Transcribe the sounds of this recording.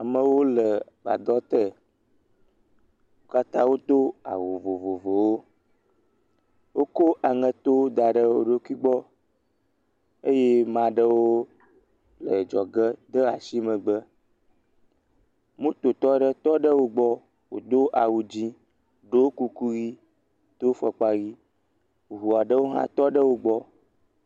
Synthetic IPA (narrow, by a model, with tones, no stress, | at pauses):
a˨mə˨wo˦lə˨ | va̰˨d̪ɔ˦t̪ə˦ | wo˦ka˦t̪ã˦wo˦t̪o˦a̰˨wo˨vo˨vo˨vo˨wo˦ | wo˦ko˦ʔa˨ŋə̃˨t̪o˦d̪a˨ɖə˦wo˦ɖo˦kʷi˦ɡ͡bɔ˦ | e˦je˦mã˨ɖə˦wo˦ | lə˨d͡ʒɔ˨ɡə˦d̪ə˦a˨si˦mə̃˨ɡ͡bə˦ | mũ˦t̪o˨t̪ɔ˦ɖə˦t̪ɔ˦ɖə˦wo˦ɡ͡bɔ˦ | wo̰˨d̪o˦ʔa˨wu˨d͡ʑi˦ | ɖo˦ku˦ku˦ɣi˦ | t̪o˦fɛ˨k͡pa˦ɣi˦˨ | ɦu˨a˨ɖə˦wo˦ɦã̰˦t̪ɔ˦ɖə˦wo˦ɡ͡bɔ˦